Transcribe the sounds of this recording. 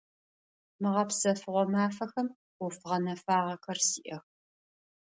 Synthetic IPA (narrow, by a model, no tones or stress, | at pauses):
mɨʁɐpsɐfɨʁʷɔmaːfɐxɐm | ʊfɨʁɐnɐfaːʁɐxɐrsiːʔɐx